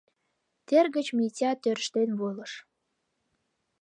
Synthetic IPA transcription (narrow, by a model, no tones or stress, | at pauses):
t̪erɣət͡ɕmitʲɑt̪øɾʃt̪enβoləʃ